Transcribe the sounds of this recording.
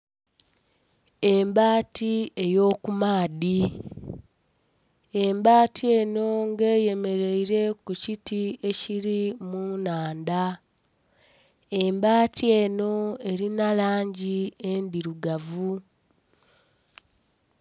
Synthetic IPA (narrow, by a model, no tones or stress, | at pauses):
e̞mbaːtie̞jo̞ːkumaːði | embaːtie̞ːno̞ŋɡe̞ːje̞me̞ɾe̞iɾe̞kucitie̞ciɾimunaːnda | e̞mbaːtie̞ːno̞e̞ɾinalaːɲɟie̞ndiɾuɡavu